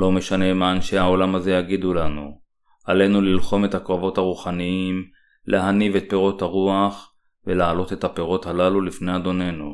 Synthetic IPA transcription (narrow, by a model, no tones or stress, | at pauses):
lo̞me̞ʃane̞maanʃehao̞lamaze̞jaɡid̪ulanu | ʔale̞nulilχo̞me̞t̪hakoavo̞t̪haʁuχaniim | lʔeɦanivet̪̚pe̞ʁo̞t̪haʁuaχ | velaalo̞t̪e̞t̪hape̞ʁo̞t̪halalulifne̞jad̪o̞ne̞nu